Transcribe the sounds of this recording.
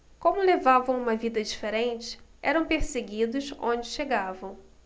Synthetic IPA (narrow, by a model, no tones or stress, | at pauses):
kõmʊlevavɐ̃w̃ũmɐvid̪ɐd͡ʒifeɾẽnt͡ʃɪ̥ɛ̰ɾɐ̃w̃peɾseɡid̪ʊzõ̰nd͡ʒɪʃeɡavɐ̃w̃